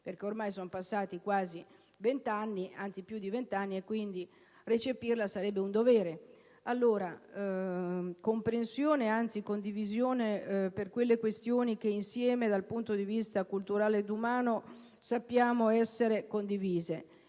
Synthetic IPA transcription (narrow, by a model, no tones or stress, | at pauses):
perk̟eormajsonopasːaːt̪ikwaːzi | vent̪anːiant̪sipjud̪ːivent̪anːiekːwind̪i | ret͡ʃepirlasaɾɛbːeund̪ovɛːɾe | alːoːɾa | kompɾensjoːneant̪sikond̪ivizjoːneperkwelːekwest̪joːnik̟einsjɛːmed̪alpunt̪od̪ivist̪akult̪uɾaːled̪umaːno | sapːjaːmoɛsːeɾekond̪iviːze